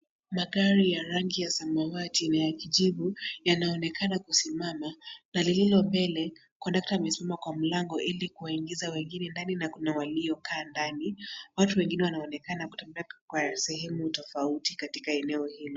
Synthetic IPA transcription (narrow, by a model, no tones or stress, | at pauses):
maɠaɾijaɾaŋɡijasamawatinajakiʄiɓujanaɔnɛkʰanakusimamanalililɔmbɛlɛ | kwadak̚tamɛsimamakwam̩laŋɡɔʔilikuwaiŋɡizawɛŋɡinɛndaninakunawaliɔkʰaːndaniwatuwɛŋɡinɛwanaɔnɛkanaku̥tɛmbɛakwasɛhɛmutɔfautikati̥kaɛnɛɔhilɔ